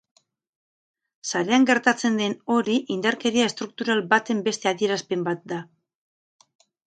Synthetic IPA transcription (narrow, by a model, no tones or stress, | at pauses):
saɾe̞aŋɡe̞ɾt̪at͡se̞nd̪e̞no̞ɾiʔind̪aɾke̞ɾiae̞st̪ɾuk̚t̪uɾalbat̪e̞mbe̞st̪e̞aðie̞ɾaspe̞mbat̪̚d̪a